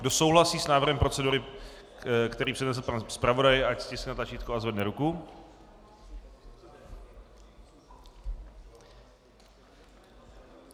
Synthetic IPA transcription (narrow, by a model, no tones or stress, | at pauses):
ɡdoso̞wɦlasiːsnaːvrɦɛmpɾo̞t͡sɛduɾɪ | kt̪ɛɾiːpr̥ɛdnɛsɛnspɾavo̞dajɪʔacscɪsknat̪lat͡ʃiːt̪kuazvɛdnɛɾuku